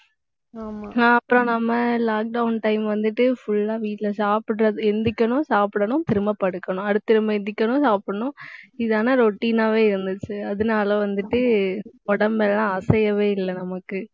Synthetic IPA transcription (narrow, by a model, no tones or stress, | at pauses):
aːmɐpːɯɾõnɐmːɐlaːk̚ɖɐʊnʈɐɪmʋɐnd̪ɯʈːɯfʊɭːaːʋiːʈɪlɐsaːpɪʈɾɐðɯɛnd̪ɪkʲːɐnʊ̃saːpɽɐnʊ̃t̪ɪɾɯmɐpɐɽɯkːɐɳʊ̃ɐɽɯt̪ːɪɾɯmɐɛnd̪ɪkʲːɐnʊ̃saːpɽɐɳʊ̃ɪðaːnɐɾoʈːiːnaːʋeːɪɾɯnd̪ɯt͡ʃːɯɐðɯnaːlɐʋɐnd̪ɯʈːɯɔɽɐmbɛlːãːɐsɐjɐʋeːɪlːɐnɐmɐkːɯ